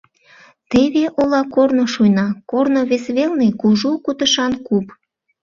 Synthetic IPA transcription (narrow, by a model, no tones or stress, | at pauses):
t̪eβeʔolɑkornoʃujnɑkornoβesβelnekuʒukut̪əʃɑnkup